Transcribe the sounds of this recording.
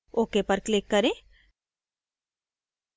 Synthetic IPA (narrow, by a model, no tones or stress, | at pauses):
oːkepəɾklɪkːɐɾẽ